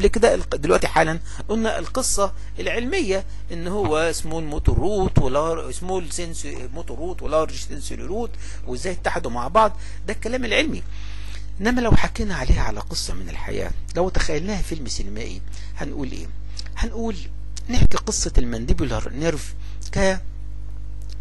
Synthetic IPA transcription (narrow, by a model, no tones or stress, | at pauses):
blkɪd̪æd̪ɪlwæ̰ʔt̪iħaːlæn | ʔʊlnæɪ̰lqɨsˤːɑ | ɪlʕɪlmɪjːæ | ʔɪnːhʊwːæʔɪsmulmoːt̪rːuːt̪wlɪsmuːlsɪns | mot̪ɾuːt̪wɪlɑːɾˤʃsɪnsɪlɾuːt̪ | wɪzːæːjɪt̪ːaħɪd̪ʊmaʕbɑʕd̪ˤ | d̪ækːælæːmɪlʕelmḭ | ʔʔɪnːæmælæwħakːeːnæʕaleːhʕalæqɨsˤːɑmɪnɪ̰lħa̰jæ̰ːlæwt̪æxæjːælnæːhæfɪlmsɪnɪmæːʔḭ | hænʔuːlʔḛː | hænʔuːl | nɪħkiqɨsˤːɑlmænd̪ɪblɑ̰ɾˤneɾf | kæ